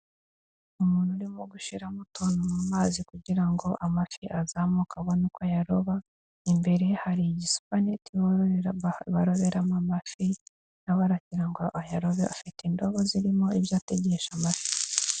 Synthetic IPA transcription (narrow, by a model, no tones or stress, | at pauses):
umuːn̤̥uɾimoɡuʃiɾamutoːnomumaːzikuɟiɾaŋɡo̞ʔamafiʔazaːmukaβonokwajaɾoβa | imbe̞ɾe̞haɾiɟisu̥paneti | βaɾo̞βe̞ɾamamafi | naβaɾaciɾaŋɡoʔajaɾo̞βeafitindo̞βo̞ziɾimo̞iβjaːte̞ɟe̞ʃamafi̥